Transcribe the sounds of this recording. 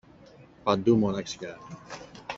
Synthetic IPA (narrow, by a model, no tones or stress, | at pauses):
pad̪umonakska